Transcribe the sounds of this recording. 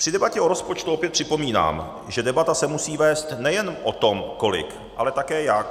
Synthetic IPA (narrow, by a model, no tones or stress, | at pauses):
pr̝̥ɪdɛbacɛo̞ɾo̞spo̞t͡ʃt̪uopjɛt̪pr̥ɪpo̞miːna̰ːm | ʒɛdɛbat̪asɛmusiːvɛːst̪nɛjɛnʔo̞t̪o̞mko̞lɪ̰k | a̰lɛt̪akɛːjak